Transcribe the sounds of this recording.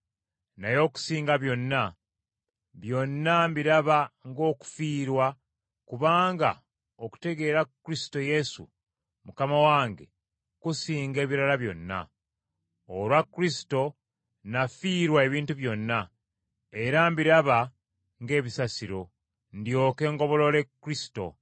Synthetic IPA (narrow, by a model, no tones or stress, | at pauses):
najo̞ːku̥siːŋɡaβjo̞nːa | βjo̞nːambiɾaβaŋɡo̞ːku̥fiːɾwa | kuβaːŋɡa̰ | oku̥te̞ɡe̞ːɾakːuɾisi̥to̞je̞sṵ | mukamawaːŋɡe̞̰ | kusiːŋɡe̞ːβiɾalaβjo̞nːa̰ | olwakːuɾisi̥to̞ | nafiːɾwae̞βiːntuβjo̞nːa | e̞ɾambiɾaβa | ŋɡe̞ːβisasiɾo̞ | ndjo̞ːke̞ːŋɡo̞βo̞lole̞kːɾisi̥to̞̰